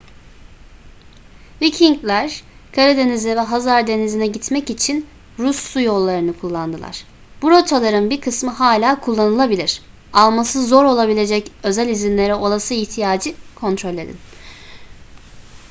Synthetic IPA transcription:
vicʰiŋklʲæɾ̥kʰaɾed̪e̞nizɛvɛɦazaɾd̪e̞nizinɛɟit̪mɛcit͡ʃʰin | ɾuslˠujo̞lˠːaɾɯnɯkʰulˠːand̪ɯlˠa̰ɾ̥ | b̥uɾot͡ʃʰalˠaɾɯnbiɾkʰɯsmɯɦaːlʲaːkʰulˠːanɯlˠabilʲiɾ̥ | alˠmasɯzo̞ɾo̞lˠabilʲe̞d͡ʒɛcø̞zælʲizinlʲe̞ɾɛo̞lˠasɯiht̪ʰijaːd͡ʒɯkʰo̞nt̪ʰɾo̞lʲe̞d̪ḭn

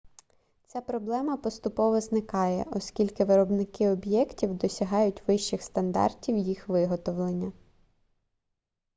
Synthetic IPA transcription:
t͡sʲapɾɔblˠɛmɐpɔst̪ʊpɔʋɔznɪkɑjɛ̰ʔɔskʲilʲkɪʋɪɾɔbnɪkɪɔbjɛktʲiwd̪ɔsʲɐɦɑjʊtʲʋɪʃt͡ʃɪxst̪ɐnd̪ɑ̰rtʲiwjixʋɪɦɔt̪ɔwlˠenʲːɐ

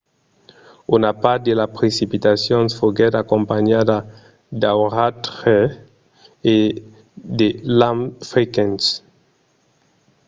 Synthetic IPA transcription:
unapat̪̚d̪elapɾesipit̪asjonfoɡɛt̪akõmpaɲad̪a | d̪awʁat̪ɾe | e | d̪elãmfɾikɛns

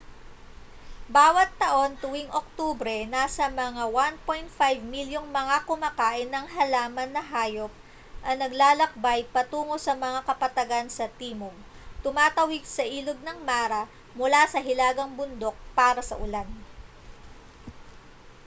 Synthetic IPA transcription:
baːwɐt̪ːɐʔo̞nt̪ʊwɪŋʔok̚t̪oːbɾɛnaːsɐmɐŋawan̚po̞jnt̪̚fajvmiljoŋmɐŋakʊmaːkaːʔɪnːɐŋɦɐlaːmɐnːɐɦaːjo̞p̚ | ʔɐnɐɡlaːlɐk̚bajpɐt̪uːŋo̞sɐmɐŋakɐpɐt̪ɐɡansɐt̪iːmo | t̪ʊmaːt̪ɐwɪɡ̚sɐʔiːlod̪̚nɐŋmaːɾɐ | mʊlasɐɦɪlaːɡɐŋbʊnd̪o̞k̚paːɾɐsɐ̰ʔʊlan

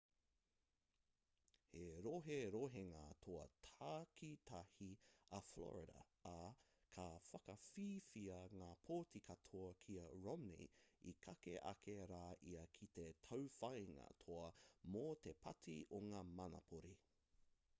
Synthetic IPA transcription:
heɾoɦeɾoɦeŋɐt̪ʰoɐ̰tʰaːkʰit̪ʰɐhiɐflo̰ɹɪdɐ̰ː | kʰɐfɐkɐfiːfiɐŋaːpʰoːtʰikʰɐtʰoɐkʰiɐɹomnḭikʰɐkḛʔɐ̰kʰeɾaːʔiɐkʰit̪etʰɐwfɐjŋɐ̰t̪ʰoɐmot̪epʰɐtʰḭoŋaːmɐnɐ̰pʰoɾi

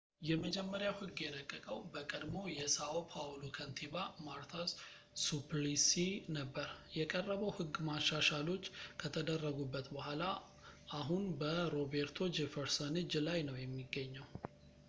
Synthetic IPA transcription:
jɛməd͡ʒɛmːəɾjawhɨɡːjɛləkʼːəkʼəwbəkʼəd̪mo̞jɛsaopʰalokʰənt̪ʰibamaɾt̪ʰas | supʰlisinəbːəɾjɛkʼərːəβəwhɨɡːmaʃaʃalo̞t͡ʃːkʰət̪ʰəd̪ərːəɡubːət̪bəhʷala | ʔaɦunbəɾo̞beɾt̪ʰo̞d͡ʒefəɾsənɨd͡ʒlajnəwjɛmːiɡːəɲːəw

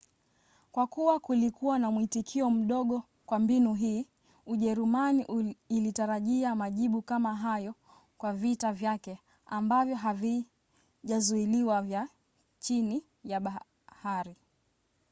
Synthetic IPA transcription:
kwakuwakulikuwanamwitikʰiɔm̩ɗɔɠɔ | kwambinuɦiː | uʄɛɾumaniʔːlitaɾaʄiamaʄiɓukamaɦajɔ | kwavitavjakɛ | ambavjɔɦavi | ʄazuiliwavja | t͡ʃini | jaɓa | haɾi

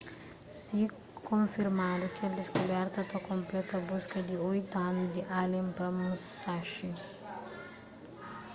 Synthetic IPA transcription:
si | kõnfiɾmad̪ʊkɛld̪iskolɛɾt̪ɐt̪ɐkõmplɛt̪ɐbuskɐd̪iojt̪anud̪iʔalẽmpɐmusːaʃi

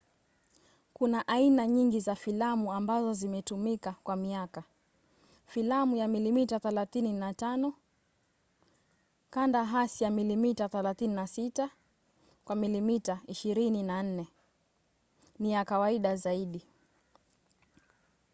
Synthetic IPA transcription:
kunaʔainaɲiŋɡizafilamuambazɔzimɛtumikakwamiaka | filamujamilimitaθɛlaθininatanɔ | kandaɦasijamilimitaθɛlaθininasita | kwamilimitaiʃiɾininan̩nɛ | nijakawaiɗazaiɗi

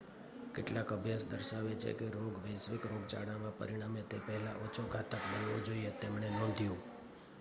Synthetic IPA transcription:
keʈlãkəbʱjasd̪əɾʃaʋet͡ʃʰḛkeɾoɡʋəjsʋɪkɾoɡ̚t͡ʃa̰ɽamãpə̰ɾiɽ̃amet̪epəɦɛla̰ʔot͡ʃʰokat̪əkbənʋod͡ʒoiet̪emɳenɔnd̪ʱjũ

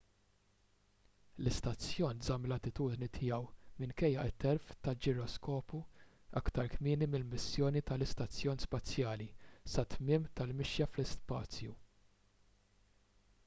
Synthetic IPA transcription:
lɪst̪ɐt͡sjɔːnzɐmlɐnt̪ɪt̪uːd̪nit̪ʰɪjɛwmɪnkɛjːɐʔɪt̪ːɛɾft̪ɐld͡ʒɪɾɔskɔːpu | ɐkt̪ɐɾkmɪːnimɪlmɪsjɔːnit̪ɐlɪst̪ɐt͡sːjɔːnspɐt͡sjɐːlisɐt̪mɪːmt̪ɐlmɪʃjɐflɪspɐːt͡sju

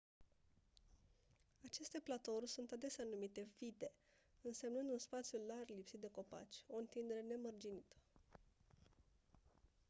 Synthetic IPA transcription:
at͡ʃe̞st̪e̞plat̪o̞rʲsunt̪ad̪e̞sʲanumit̪e̞vit̪e̞ | ɨnse̞mnɨnd̪unspat̪sjularlipsit̪̚d̪e̞ko̞pa̰t͡ʃʲo̞ɨnt̪ind̪e̞ɾe̞ne̞mərd͡ʒinit̪ə̥

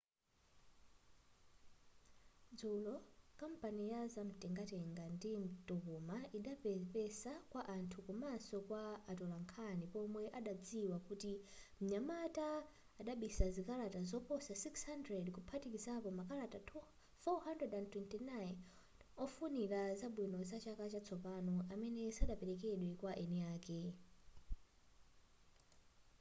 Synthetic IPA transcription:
d͡zulɔkampanijazam̩tʼɛŋɡatɛŋɡandim̩tukumaiɗappɛsakwaʔantʰukumasɔkwaːtɔlaŋkʰanipɔmwɛʔaɗad͡ziwakutim̩ɲamataː | ɗaɓisazikaɾatazɔpɔsasikshandrɛdkupʰatikizapɔmakaɾatatʰ | fɔhandrɛdandtwɛntinajn | ɔfuniɾazaɓwinɔzat͡ʃakat͡ʃat͡sʰɔpanɔʔamɛnɛsaɗapɛɾɛkɛɗwɛkwaʔɛnɛaːkɛ

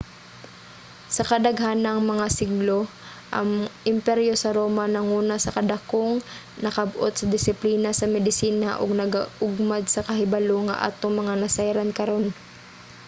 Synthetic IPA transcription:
sɐkɐd̪ɐɡɦanɐŋmɐŋasɪɡlo̞ | ʔɐ̰ŋʔɪmpɛɾjo̞sɐɾo̞ːmanɐŋuːnɐsɐkɐd̪ɐkoŋ | nɐkɐbʔo̰t̪sɐd̪ɪsɪpliːnɐsɐmɛd̪ɪsiːnaʔo̰ɡ̚nɐɡaʔʊɡ̚mad̪̚sɐkɐɦɪbaloŋɐ̰ʔa̰ːt̪oŋmɐŋanɐsajɾɐnkɐɾo̞n

